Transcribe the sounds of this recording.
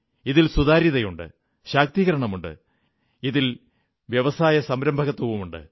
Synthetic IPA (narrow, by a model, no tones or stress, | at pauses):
iðilsuðaːɾjiðɐjuɳɖɨ̰ | ɕaːk̚t̪iːɣɐɾɐɳɐmuɳɖɨ̰ | iðil | ʋjɐʋɐsaːjɐsɐmɾɐmbʱɐɣɐt̪ːwɐʋumuɳɖɨ̰